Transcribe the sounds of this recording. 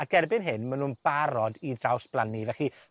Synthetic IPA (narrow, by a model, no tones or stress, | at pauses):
aɡ̥ɛrbɪnɦɪnmanuːnb̥aɾɔdidrawsb̥lˠanivɛɬi